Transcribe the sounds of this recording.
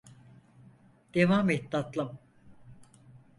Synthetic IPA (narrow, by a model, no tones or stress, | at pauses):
d̪̥evaːmet̪̚d̪at̪lˠɯm